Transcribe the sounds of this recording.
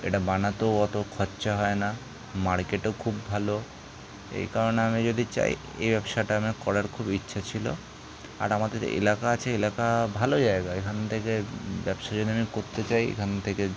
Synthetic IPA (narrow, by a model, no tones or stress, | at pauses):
ḛʈabanat̪oɔt̪okʰɔtːɕaɦɔena | maɾkeʈokʰubːbʱalo | ḛjkaɾoneamid͡ʑod̪ʱit͡ɕa̰j | ḛjbɛbʃaʈaamekɔɽaɾkʰubitːʃʰat͡ɕʰilo̰ | a̰ɾamad̪eɾ̰ḛlakaat͡ɕʰeelakabʱalod͡ʑaeɡaekʰant̪ʰekebɛbʃad͡ʒod̪ʱiamikoɾt̪et͡ɕajḛkʰanet̪ʰeke